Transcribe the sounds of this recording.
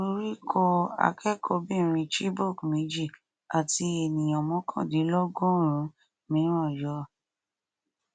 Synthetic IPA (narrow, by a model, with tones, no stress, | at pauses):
o˦ɾi˦kʰɔ˧a̰˧˨kɛ˦kɔ˧bĩ˦˨ɾ̃ĩ˧ti˦bo˦˨kmĩ˨˦d͡ʒi˦˨ | a˨ti˧e˨nĩ˨ɔ̃˨mɔ̃˨˦kʰã̰˦˨di˨˦lɔ˦ɡõ˦˨ɾ̃ũ˨˦ | mĩ˨˦ɾũ˦ɔ˦˨jɔ˨˧